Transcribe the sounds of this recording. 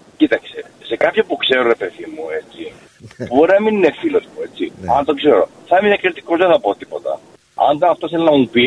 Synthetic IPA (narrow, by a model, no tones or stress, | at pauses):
cit̪ɐksese̞kɐpçɐpukse̞ɾo̞ɾe̞pe̞ðimue̞t͡si | puboɾeɐmininefilo̞zmue̞t͡siɐnt̪okse̞ɾo̞̰ | θɐminekeɾt̪i̥kozðeθɐpo̞t̪ipo̞t̪ɐ̰ | ɐ̰nd̪ɐɐft̪oiθelnɐmupi